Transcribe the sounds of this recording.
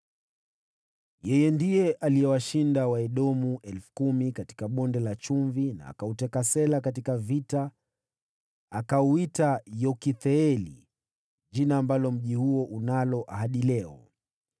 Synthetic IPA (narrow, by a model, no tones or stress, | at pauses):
jɛjɛndijɛʔalijɛwaʃindawaɛɗɔmuʔɛlfu̥kumikati̥kaɓɔndɛlat͡ʃuɱvina̰a̰kautɛkasɛlakatikavita | kauitajɔkiθɛɛlḭ | ʄinaːmbalɔm̩ʄihuɔʔunalɔʔaɦaɗilɛɔ̰